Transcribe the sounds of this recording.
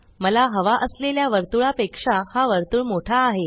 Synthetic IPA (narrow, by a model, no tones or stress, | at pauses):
məlaɦəʋaʔəsleljaʋəɾt̪uɭapekʂahaʋəɾt̪uːɭmoʈʰaːɦe